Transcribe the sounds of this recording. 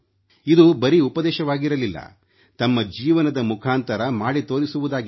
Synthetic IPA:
id̪ubɐɾiupɐd̪ɛːʃɐʋaːɡiɾɐlilːɐ̰ | t̪ɐmːɐd͡ʒiːʋɐnɐd̪ɐmukʰaːnt̪ɐɾɐmaːɽit̪o̞ːɾisuʋud̪aːɡi

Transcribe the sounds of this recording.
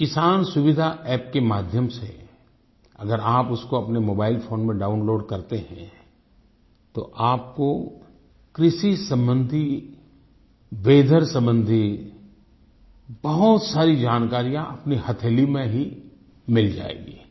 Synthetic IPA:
kɪsaːnsʊʋɪd̪ʱaʔɛːp̚kemaːd̪ʱjəmsḛ | ɐɡəɾaːpʊskoɐpnemoːbaːɪlfʰoːnmẽɖaːʊnloːɖkɐɾt̪eɦɛ̃ | t̪o̰ʔaːp̚ko | kɾɪʃisɐ̃mbə̃nd̪ʱi | ʋeːd̪ʱəɾsɐ̃mbə̃nd̪ʱi | bɐɦʊt̪saːɾid͡ʒaːnkaːɾijãʔɐpnihɐt̪ʰeːlimẽɦi | mɪld͡ʒa̰ːḛːɡḭː

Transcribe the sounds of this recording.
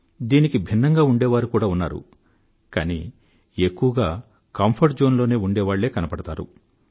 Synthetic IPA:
d̪iːnikibʱinːɐŋɡaːuɳɖɛːʋaːɾukuːɽaːunːaːɾṵ | kaːnḭ | ekːuʋɐɡaː | kɐmpʰɐɾʈd͡ʒo̞ːnloːne̞ːuɳɖɛːʋaːɭːe̞ːkɐnɐpɐɽɐt̪aːɾṵ

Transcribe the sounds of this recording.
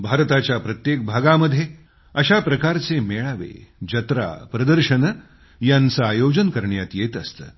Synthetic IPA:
bʱaɾt̪at͡ɕjapɾət̪jek̚bʱaɡaməd̪ʱje | əɕapɾəkaɾt͡semeɭaʋḛd͡ʑət̪ɾa̰pɾəd̪əɾɕən | jant͡saːjod͡ʑənkəɾɳjat̪jet̪əst̪ə̰ː

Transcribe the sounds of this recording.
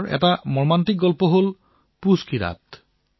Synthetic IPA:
ɾɛ̰ʈamɔɹmant̪ik̚ɡɔlpoɦol | puskiɾa̰t̪

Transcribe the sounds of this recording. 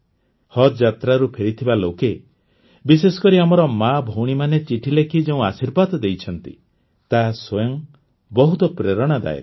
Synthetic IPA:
hɔt̪d͡ʒat̪ɾaɾupʰeɾit̪ʰibaloke | bis̬esɔ̥kɔɾiamɔɾɔmabʱowɽ̃imanet͡ʃiʈʰilekʰid͡ʒeũasiɾbad̪ɔd̪ejt͡ʃʰɔnt̪ḭ | t̪aswojɔŋ | bɔɦut̪ɔpɾeɾɔɽ̃ad̪a̰ḛ

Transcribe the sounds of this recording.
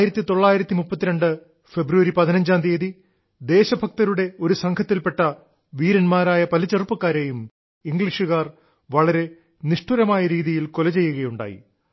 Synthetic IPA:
jiɾɐt̪ːit̪o̞ɭːaːjiɾɐt̪ːimupːɐt̪ːiɾɐɳɖɨ | fe̞bɾuʋɐɾipɐðinɐɲd͡ʑaːnd̪eːði | d̪e̞ːɕɐbʱɐk̚t̪ɐɾuɽe̞o̞ɾusɐŋkʰɐt̪ːilpe̞ʈːɐ | ʋiːɾɐnmaːɾaːjɐpɐlit͡ɕːerpːɐkːaːɾeːjum | iŋɡɭiʂuɣaːr | ʋɐɭɐɾe̞ | niʂʈuɾɐmaːjɐɾiːðijilkolɐt͡ɕe̞jːuɣɐjuɳɖa̰ːjḭ

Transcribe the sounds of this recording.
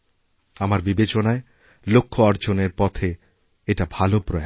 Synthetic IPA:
amaɾbibet͡ɕonae | lokʰːoɔɾd͡ʑoneɾpɔt̪ʰe | eʈabʱalopɾɔe

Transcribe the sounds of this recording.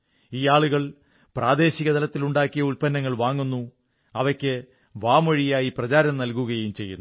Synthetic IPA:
iːaːɭuɣɐɭ | praːd̪e̞ːɕiɣɐd̪ʱɐlɐt̪ːiluɳɖaːkːijɐulpɐnːɐŋːɐɭʋaːŋːunːu | ɐʋɐkʲːɨ | ʋaːmɐɻijaːjiprɐt͡ɕaːɾɐmnɐlkuɣɐjumt͡ɕe̞̰jːunːu

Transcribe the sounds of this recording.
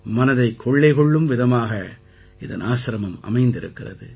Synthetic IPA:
mɐnɐðɐɪkʰːɔɭːɐɪɣɔɭːɯmʋɪðɐmaːɣɐ | ɪðɐ̰naːsɾɐmɐmɐ̰mɐɪnd̪ɪɾɯ̰kːɪrɐ̰ðɯ̰

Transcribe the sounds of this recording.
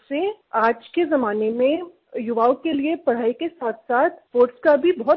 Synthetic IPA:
seaːd͡ʒkezɐmaːnemẽ | jʊʋaːõkeliepɐɽ̤aːikesaːt̪ʰsaːt̪ʰpoːɾʈskabʱibɔɦɔt̪

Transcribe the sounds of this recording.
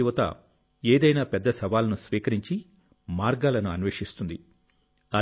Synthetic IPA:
uʋɐt̪ɐ̰ | eːd̪ɐjnaːpɛd̪ːɐsɐʋaːlɐnusʋiːkɐɾiɲt͡ʃi | maːɾɡaːlɐnuɐnʋeːʂist̪und̪i | ɐ

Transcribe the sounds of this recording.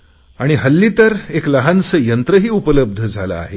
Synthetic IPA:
aɽ̃iɦəlːiːt̪əɾekləɦansəjənt̪ɾəɦiːupələb̚d̪ʱəd͡zʱala̰a̰ɦe

